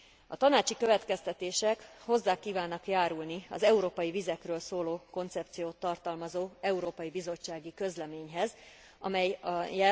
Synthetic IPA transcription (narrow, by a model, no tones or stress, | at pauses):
ɒt̪ɒnaːt͡ʃikøvɛt̪kɛst̪ɛt̪eːʃɛkho̞zːaːkiːvaːnːɒkjaːɾulniɒ̰zɛuɾoːpɒjivizɛkrøːlsoːloːko̞nt̪sɛp̚t̪sijoːt̪ːɒrt̪ɒlmɒzoːɛuɾoːpɒjibizo̞t͡ʃːaːɡikø̞zlɛmeːɲɦɛz | ɒ̰mɛjɒjːɛ